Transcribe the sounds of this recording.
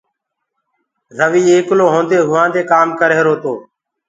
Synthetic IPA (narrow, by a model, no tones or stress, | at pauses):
zəʋiːeːkloːɦõːnd̪eːɦʊʋãːnd̪eːkaːmkəɾeːɾoːt̪oː